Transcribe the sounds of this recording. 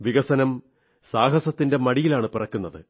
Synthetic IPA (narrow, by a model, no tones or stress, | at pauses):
ʋiɣɐsɐnɐm | saːɦɐsɐt̪ːinde̞mɐɽijilaːɳɨpirɐkːunːɐðɨ̰